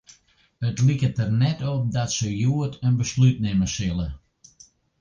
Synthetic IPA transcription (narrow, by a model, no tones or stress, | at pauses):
ətlikətərnɛtɔp̚dɔtsəjuətʰənbəslyt̚nɪməsɪlˠə